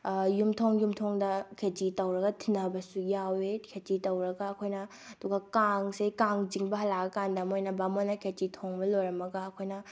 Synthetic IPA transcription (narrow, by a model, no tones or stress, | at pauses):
jumtʰoŋjumtʰoŋdɐkʰed͡ʒitɐwɾɐɡɐtʰinɐbɐsujawekʰed͡ʒitɐwɾɐɡɐːkʰojnɐ | ɐduɡɐkaŋsejkaŋd͡ʒiŋbɐɦɐlaɡɐkandɐmojnɐbamonːɐkʰed͡ʒitʰoŋbɐlojɾɐmɐɡɐɐkʰojnɐ